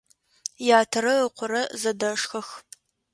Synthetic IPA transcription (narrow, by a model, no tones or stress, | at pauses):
jaːtʰɐɾɐəqʷʰʊɾɐzɐdɐʂxɐx